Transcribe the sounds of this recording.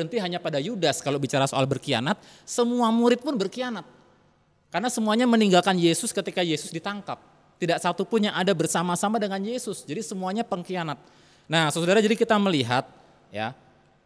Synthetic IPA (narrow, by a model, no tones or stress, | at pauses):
ənt̪iɦaɲapadajudaskalobit͡ʃaɾasoalbərkia̰nat̪̚səmuamuɾɪt̪̚pʊnbərkianat̪̚ | karnasəmuaɲaməniŋɡalkanjesʊskət̪ikajesʊsdit̪aŋkap̚ | t̪idaʔsat̪upʊnjaŋadabərsamasamadəŋanjesʊsd͡ʒadisəmuaɲapəŋkianat̪̚ | nahsəsudaɾad͡ʒadikit̪aməliɦat̪̚ | ja̰